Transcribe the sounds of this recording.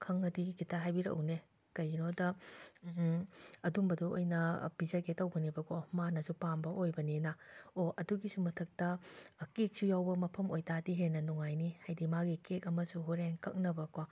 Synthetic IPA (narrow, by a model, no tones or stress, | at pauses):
kʰɐŋɐdiɡikitʰaɦajbiɾɐ̰wne | kɐjnodɐ | ɐdumbɐduo̰jnɐbizɐketɐwɡɐnibɐkomanɐsupambɐʔojbɐninɐoɐduɡisumɐtʰɐk̚tɐkek̚sujawbɐmɐpʰɐmojtadiɦenɐnuŋajnihajdimaɡikek̚ɐmɐsuɦuɾenkɐk̚nɐbɐko